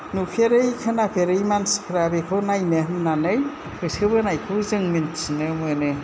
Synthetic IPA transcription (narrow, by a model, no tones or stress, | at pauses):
nupʰeɾɯjkʰanapʰeɾɯjmanskʰɾabekʰɯwnajmehmnanɯj | kʰɯsʰɯbɯnajkʰɯwzɯŋminsinɯmɯnɯ